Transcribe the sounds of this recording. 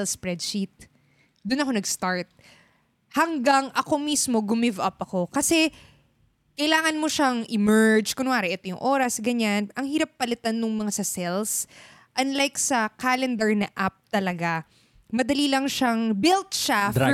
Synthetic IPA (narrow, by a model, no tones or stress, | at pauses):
ɛlspɹɛd̪̚ʃit̪̚ | d̪ʊnɐko̞nɐɡst̪aɹt̪̚ | hɐŋɡaŋʔɐko̞mismo̞ɡʊmɪvʔɐpɐko̞kɐsɛ | kɐjɪlaːŋɐnmo̞ʃaŋʔɪmɛɹd͡ʒkʊnʊʔaːɾɛʔɛt̪o̞jʊŋʔo̞ːɾɐsɡɐɲanʔɐŋhiːɾɐpːɐlɪt̪anːʊŋmɐŋasɐsɛls | ʔɐnlajksɐkaːlɛnd̪ɛɹnɐʔap̚t̪ɐlɐɡa | mɐd̪ɐliːlɐŋʃaŋbɪlt̪̚ʃa